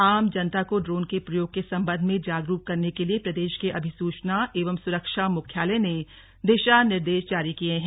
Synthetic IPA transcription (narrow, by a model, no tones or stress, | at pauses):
aːmd͡ʒɐnt̪akoɖɾoːnkepɾɐjoːɡ̚kesɐ̃mbə̃nd̪ʱmẽd͡ʒaːɡɾuːp̚kɐɾnekeliepɾɐd̪eːʃkeʔɐbʱɪsuːt͡ʃnaʔeːʋəmsʊɾəkʃamʊkʰjaːlẽne | d̪eːʃanɪɾd̪eːʃd͡ʒaːɾikieɦɛ̃ː